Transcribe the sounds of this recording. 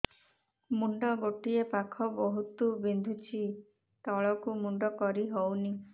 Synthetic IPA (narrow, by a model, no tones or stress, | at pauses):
muɳɖɔɡoʈiepakʰɔbɔɦut̪ubind̪ʱut͡ʃʰi | t̪ɔɭɔkumuɳɖɔkɔɾiɦowni